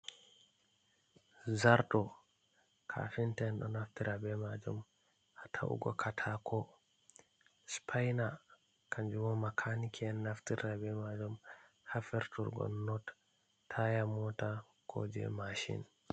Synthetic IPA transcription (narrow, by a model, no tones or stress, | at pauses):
zaɾɗɔ | kʰa̰fintɛnɗɔnaftiɾabɛmad͡ʒum | ʔatʰa̰ʔṵɡɔ̰kʰatʰakʰɔ | spʰajna | kaɲd͡ʒumɔmakʰanikʰiɛnːaftiɾabɛmad͡ʒum | hafɛɾtʰuɾɡɔ̰nnɔt | tʰːajamɔta | kʰo̰d͡ʒɛ̰maʃḭn